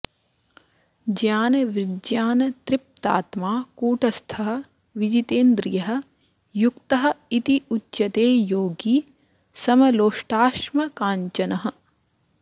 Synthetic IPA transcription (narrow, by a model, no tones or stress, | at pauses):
d͡ʒjaːnɐʋɾɪd͡ʒjaːnɐt̪ɾɪp̚t̪a̰ːt̪maːkuːʈɐst̪ʰɐɦɐ̆ | ʋid͡ʒit̪eːnd̪ɾijɐɦɐ̆ | jukt̪ɐɦɐ̆it̪iutːʃɐt̪eːjoːɡiː | sɐmɐloːʂʈaːʃmɐkaːɲt͡ʃɐnɐɦɐ̆